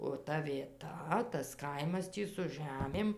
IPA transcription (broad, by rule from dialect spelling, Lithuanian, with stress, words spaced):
oː ˈtɐ ʋʲiɛˈtɐ tɐs ˈkɐɪmɐs ˈtʲiː sʊ ˈʒʲæmʲeːm